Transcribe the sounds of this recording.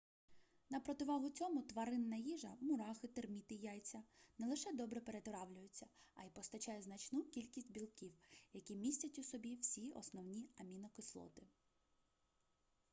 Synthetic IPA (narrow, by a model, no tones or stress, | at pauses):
nɐpɾɔt̪ɪʋɑɦʊt͡sʲɔmʊt̪ʋɐɾɪnːɐjiʒɐmʊɾɑxɪt̪ermʲit̪ɪjajt͡sʲːɐnɛlˠɪʃɛd̪ɔbɾɛpeɾet̪ɔɾɑwlʲʊjʊt͡sʲːɐɐjpɔst̪ɐt͡ʃɑjɛznɐt͡ʃnukʲilʲkʲisʲtʲbʲilˠkʲiwjɐkʲimʲisʲtʲɐtʲʊsɔbʲiwsʲiɔ̰snɔwnʲiɐmʲinɔkɪslˠɔ̰t̪ɪ